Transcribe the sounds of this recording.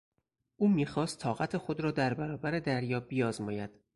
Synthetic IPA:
ʔuːmiːxɒːst̪ʰɒːɣæt̪ʰexo̞d̪ɾɒːd̪æɾbæɾɒːbæɾe̞d̪æɾjɒːbijɒːzmɒːjæd̪̥

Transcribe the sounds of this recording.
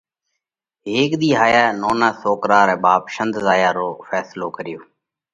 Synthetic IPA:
ɦeːkɗ̪iːɦaːjaːnoːnãːsoːkɾaːɾɛ̃ːɓaːpʃənd̪zaːjaːɾoːfɛːsloːkəɾɪjoː

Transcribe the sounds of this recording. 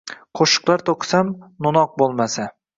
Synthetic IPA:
qʰoʃɨ̥qlˠaɾt̪ʰoqʰɨ̥samnʊnɒq̚bolˠmasa

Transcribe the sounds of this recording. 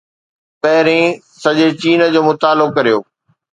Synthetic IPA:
pɐɦɪɾẽsɐʄet͡ɕiːnə̆d͡ʑoːmʊt̪aːlʊkɐɾijoː

